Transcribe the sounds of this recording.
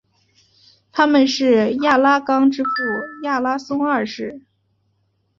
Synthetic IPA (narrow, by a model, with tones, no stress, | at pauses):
t̪ʰa˥mə˨nʂɻ̩˥˧ja˥˩la˥kɑ˥ŋʈ͡ʂɻ̩˥fu˥˩ja˥˩la˥sʊ˥ŋə˞˥˧ʂɻ̩˥˩